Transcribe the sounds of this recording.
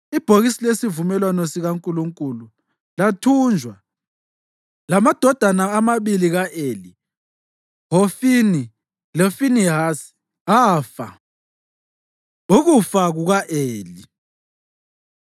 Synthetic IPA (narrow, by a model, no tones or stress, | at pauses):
ib̥ʱoɣisilesivumɛlwanɔsiɣaŋkʼuluŋkʼulu | latʰund͡ʒʱwa | lamad̥ʱɔd̥ʱanaːmaβiliɣaʔeli | ɦofini | lɔfiniɦasi̥ | afa̰ | uɣufaɣuɣaʔeːli